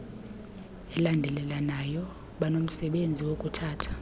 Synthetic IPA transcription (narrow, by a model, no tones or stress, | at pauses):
ɛlandʱɛlɛlanajɔ | ɓanom̩sɛɓend͡zʱiwokʼutʰaːtʰḁ